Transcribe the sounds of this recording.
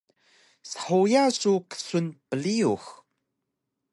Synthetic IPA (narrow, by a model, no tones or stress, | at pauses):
sə̥ħujasuqə̥sunpəliux